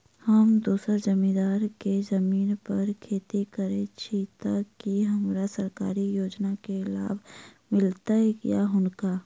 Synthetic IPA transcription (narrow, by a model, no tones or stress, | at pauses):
hɐmd̪uːsazɐmĩːd̪aːɾkezɐmiːnpɐɾkʰeːt̪ikəɾet͡ʃʰit̪akːiɦɐmɾasɐɾkaːɾijoːd͡ʒnakela̰ːbʱ | mɪlt̪aɦɛjaɦʊnkaː